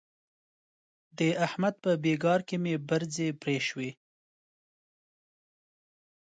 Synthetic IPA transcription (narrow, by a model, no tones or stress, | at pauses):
d̪əahmad̪̚pəbeɡɑɾkemebaɾzepɾeʃwe